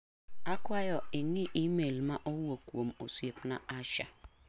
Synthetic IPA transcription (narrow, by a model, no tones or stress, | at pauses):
akwajɔɪniʔimelmaʔowuokuom̩o̰suepnaʔaʃa̰